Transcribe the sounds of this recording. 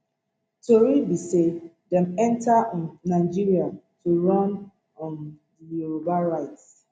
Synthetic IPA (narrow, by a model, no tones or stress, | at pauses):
toɹibise | dɛ̃mɛ̃ntaʔɔ̃nːaɪd͡ʒiɹiatuɹɔ̃n | ɔ̃n | dijuɹobaɹaɪt